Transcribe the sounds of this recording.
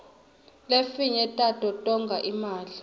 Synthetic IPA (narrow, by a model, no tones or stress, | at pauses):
lefiɲɛtʼatʼɔtʼɔŋɡʱaʔimaːli